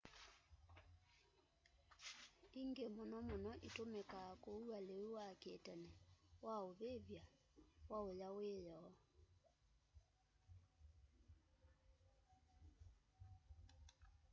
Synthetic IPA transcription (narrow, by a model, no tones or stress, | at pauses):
iŋɡemonɔmonɔʔetomekakoualewewakɛtɛnɛwaoβeβja | waojaweːjɔː